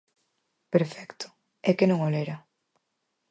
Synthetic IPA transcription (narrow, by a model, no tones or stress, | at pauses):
peɾfɛkt̪ʊ̥ | ɛkenõŋoleɾa